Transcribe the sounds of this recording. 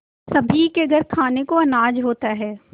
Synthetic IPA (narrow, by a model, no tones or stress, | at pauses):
sɐbʱikeɡʱɐɾkʰaːnekoɐnaːd͡ʒɦoːt̪aɦɛː